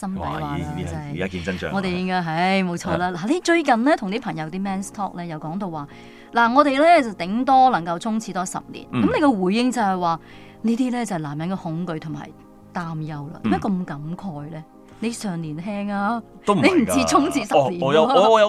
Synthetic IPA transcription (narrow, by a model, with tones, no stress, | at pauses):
sɐ˥mpɐ˨˦waː˨aː˧t͡sɐ˨˧ɐ˨jaː˦˥ki˨t͡sɐ˥nt͡ʃœ̰ː˨ŋɔ˨˧t̪e˨ɪ˧ŋaː˧ɦɐ˨˧˥jmo˨˧wt͡ʃʰɔː˧laː˧laː˨˩le˨˧jt͡ʃɵ˧ɥkɐ˨nlɛː˥t̪ʰʊ˨ŋt̪iː˥pʰɐ˨˩ŋjɐ˨˧wt̪iː˥mɛː˥nst̪ʰɔː˥k̚lɛː˥jɐ˨˩wkɔː˨˥ŋt̪o˧wːaː˨ | laː˨˩ŋɔː˨˧ɾe˨jlɛː˥t͡sɐ˨wt̪ɪ˨˥ŋt̪ɔː˥lɐ˨˩ŋkɐ˧wt͡sʰʊ˥ŋt͡sʰiː˨˧t̪ɔː˥sɐ̰˨p̚lḭː˨˩nkkɐ˨˥mne˧kɛ˧wuː˨˩jːɪ˧ŋt͡sɐ˨˧whɐ˨jwaː˨˧ | niː˥t̪iː˥lɛː˥t͡sɐ˨˩hɐ˨jlaː˨˩mjɐ˨˥nkɛ˧hʊ˨˥ŋkɵ˨˧ɥt̪ʰʊ˨˩ŋma̰˨˩j | t̪aː˥mjɐ˧wlɐ̰ː˧t̪iː˨˥mɐ˥kɐ˧mkɐ˨˥mkʰɔː˧jlɛː˥ | ne˨˧jsœː˨ŋliː˨˩nɦɛː˥ŋaː˧ | to˥m̩˨ne˨˧jm̩˨˩t͡siː˥t͡sʰʊ˥ŋt͡sʰiː˧sɐpliː˨˩˧jjɐ˨˧